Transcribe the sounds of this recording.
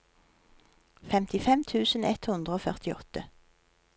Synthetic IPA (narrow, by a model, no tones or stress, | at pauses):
fɛmt̪ɪfɛmt̪ʰʉːsn̩ɛt̪hʉnd̪ʁəoːfœʁt̪ɪɔt̪ə